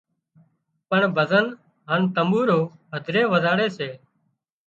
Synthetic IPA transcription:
pəɳbʱəzən | ɦənt̪əmbuːɾoːəd̪ʱɾeːʋəzaːɽeːseː

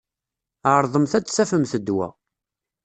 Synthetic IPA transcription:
aɾˤðˤəmθæt͡sːsæfəmθəd̪ːwæ̰

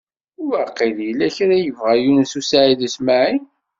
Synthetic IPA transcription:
ʊvəqːiljəlːæçɾæjəvʁæjunsusaʕiðəsmaʕi

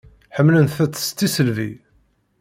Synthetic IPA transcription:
ħəmːlənθæt͡sːə̥st̪ːisəlvḭ

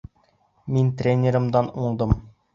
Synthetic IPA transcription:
mint̪rʲenʲɪɾɤ̆md̪ɑnuɴd̪ɤm

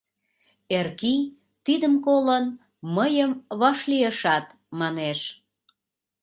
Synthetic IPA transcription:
erki | t̪id̪əmkolən | məjəmβɑʃlieʃɑt̪ | mɑneʃ

